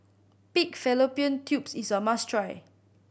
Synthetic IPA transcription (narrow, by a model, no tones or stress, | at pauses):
pikfɛlopiə̃ntʰjupsisəmastɹaj